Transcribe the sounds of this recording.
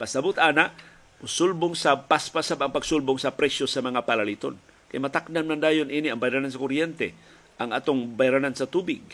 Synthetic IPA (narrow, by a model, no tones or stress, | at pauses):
pasabʊt̪aːnaʔ | ʊsʊlbʊŋsapaspasabaŋpaɡ̥sʊlbʊŋsapɾɛsjosamaŋapalalit̪o̰n | kajmat̪aknanmand̪aːjonʔiːniaŋbajɾanans̬akʊɾjɛnt̪ɛ̰ | ʔaŋʔaːt̪oŋbajɾanansat̪ubɪɡ̚